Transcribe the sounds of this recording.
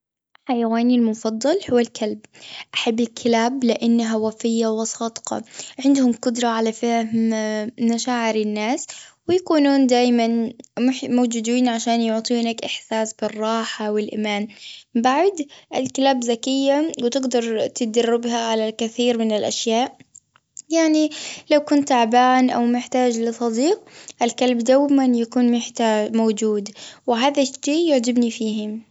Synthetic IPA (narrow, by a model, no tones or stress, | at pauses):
ħajawaːnilmʊfɑd̪ˤːɑlhʊwːalkʰalb̚ʔaħabːɪlkʰɪlaːblɪʔanːaɦawafɪjːawɪsˤɑːd̪qɑ̰ʕɪnd̪hʊmqʊd̪ɾˤɑʕalafaɦmmaʃaːʕɪɾɪnːaːswɪjakuːnuːnd̪aːjmanmʊħmoːd͡ʒuːd̪iːnʕaʃaːnjʊʕt̪ˤiːnakʔɪħsaːsbɪrˤːɑːħawɪlʔɪ̰maːnbaʕd̪ʔɪlklaːbzakɪjːawt̪ɪɡd̪ɑɾˤt̪ɪd̪arːɪbɦaʕalakɪθiːɾmɪnɪlʔaʃjaːʔ | jaʕnilawkʊnt̪aʕbaːnʔawmɪħt̪aːd͡ʒlɪsˤɑd̪iːqʔɪlkalbd̪aːjmanjakuːnmɪħt̪aːmowd͡ʒuːd̪wɪɦaːðaʃiːjʊʕd͡ʒɪbnifiːɦɪm